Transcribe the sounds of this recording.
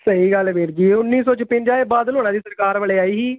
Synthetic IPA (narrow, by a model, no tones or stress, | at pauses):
səiːɡəlʋeːɾd͡ʒiːʊnːiːsõːt͡ʃpɪ̃ɲd͡ʒaːeːbaːd̪əloːnãːd̪iːsəɾkaːɾʋəleːaːiːɦiː